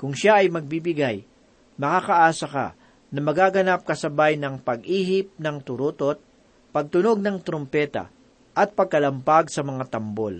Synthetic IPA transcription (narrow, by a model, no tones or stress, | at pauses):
kʊŋʃaɐjmɐɡ̚bibɪɡaj | mɐkakɐʔaːsɐka̰ | nɐmɐɡaɡɐnap̚kɐsɐbajnɐŋpɐɡʔiːɦɪp̚nɐŋt̪ʊɾot̪ot̪̚ | pɐɡ̚t̪ʊno̞ɡ̚nɐŋt̪ɾompɛːt̪ɐ̰ | ʔɐt̪̚pɐɡ̚kɐlɐmpaɡsɐmɐŋat̪ɐmbo̰l